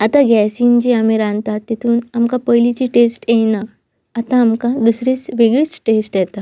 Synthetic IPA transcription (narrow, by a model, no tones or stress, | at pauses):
at̪aɡɛsind͡ʑiːamiɾant̪at̪ːet̪ʰuːnamkapəjlit͡ɕiʈesʈjenaː | t̪ãːmkad̪usɾit͡sʋeɡɭiːt͡sʈesʈjɛt̪a